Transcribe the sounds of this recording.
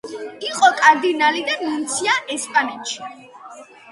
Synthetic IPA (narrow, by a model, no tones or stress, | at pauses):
iqʼɔkʼaɾd̪inalid̪anmunt̪sʰiaʔɛspʼanɛt̪ʃi̥